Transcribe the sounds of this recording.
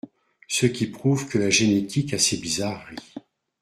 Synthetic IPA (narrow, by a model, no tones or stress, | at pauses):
səkʲipχuvkʰəlaʒenet̪ikasebizaʁe